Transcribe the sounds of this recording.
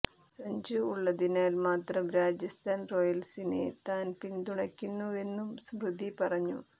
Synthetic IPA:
sɐɲd͡ʑɨːɭːɐðinaːlmaːt̪rɐmɾaːd͡ʑɐst̪ʰaːnro̞jɐlsinḛt̪aːnpiɳɖ̪uɳɐkʲːunːue̞nːumsmrɨd̪ipɐrɐɲːṵ

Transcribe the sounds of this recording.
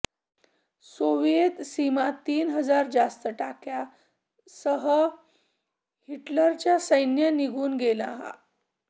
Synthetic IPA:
soʋjet̪simat̪iːnɦəd͡zaɾd͡zast̪əʈakja | səɦə | hiʈləɾt͡ɕjasəjnjəniɡʱuːnɡelaɦa̰

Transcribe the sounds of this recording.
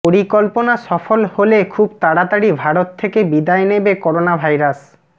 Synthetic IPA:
poɾikɔlponasɔfolholekʰubt̪aɽat̪aɽibʱaɾot̪ʰːekebid̪aenebekɔɾonabʱajɾas

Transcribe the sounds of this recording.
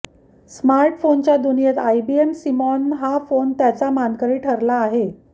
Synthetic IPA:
smaɾʈfont͡ɕjad̪unijet̪ajbiemsimɔnɦafont̪jat͡samankəɾiːʈʰəɾlaːɦe

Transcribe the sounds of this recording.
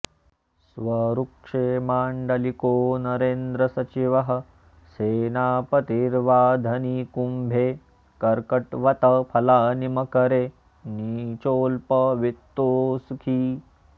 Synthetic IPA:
sʋɐɾukʂeːmaːɳɖɐlikoːnɐɾeːnd̪ɾɐsɐt͡ʃiʋɐɦɐ̆ | seːnaːpɐt̪iːɾʋaːd̪ʱɐnikumbʱeː | kɐɾkɐʈʋɐt̪ɐpʰɐlaːnimɐkɐɾeː | niːt͡ʃoːlpɐʋit̪ːoːsukʰiː

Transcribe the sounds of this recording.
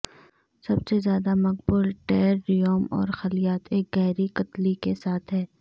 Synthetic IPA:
sɐbsezjaːd̪amɐq̚bʊlʈɛːɾːijoːmɔ̰ːɾxɐlijaːt̪ʰeːk̚ɡɛɦɾikɐt̪likesaːt̪ʰɦɛː

